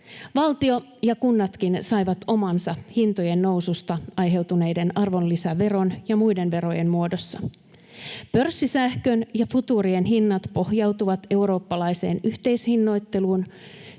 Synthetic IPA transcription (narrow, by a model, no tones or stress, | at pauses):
ʋɑlt̪io̞ | jɑkunːɑt̪kinsɑjʋɑt̪o̞mɑnsɑhint̪oje̞nːo̞wsust̪ɑɑjɦe̞wt̪une̞jde̞nɑrʋo̞nlisæʋe̞ɾo̞njɑmujde̞nʋe̞ɾo̞jenmuo̞do̞sːɑ | pø̞rsːisæhkønjɑfut̪uːɾie̞nɦinːɑt̪po̞hjɑwt̪uʋɑt̪e̞wɾo̞ːpːɑlɑjse̞̰ːnyht̪e̞jshinːo̞jt̪ːe̞luːn